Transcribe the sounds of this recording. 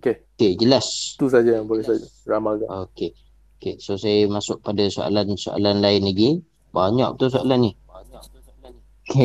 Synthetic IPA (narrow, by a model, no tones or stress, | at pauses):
okeked͡ʒəlast̪usad͡ʒajaŋbolɛhsad͡ʒa | ramaɡaoke | okesosamasʊk̚padaso̰a̰lanso̰ʔa̰lanlaɪnlaɡi | baɲa̰ʔ̚t̪us̬oa̰lanːi | aɲu | an | oke